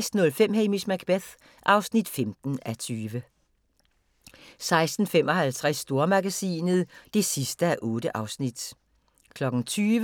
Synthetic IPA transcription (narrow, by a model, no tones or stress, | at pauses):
sd̥n̩ɔ̽lfem̰ɦemismæɡ̥b̥eθ | ʔɑ̈ʊsnid̥femd̥n̩æt͡sʰyːʋə | sɑ̈ɪsd̥n̩femɒ̽hælt͡sʰʁɛsːd̥o̝ɐmɑɡ̥æsḭːnð̩ˠd̥e̝sisd̥əæʔɔːd̥əʔɑ̈ʊsnid̥ | kʰlɒ̽ɡ̥ŋ̩t͡sʰyːʋ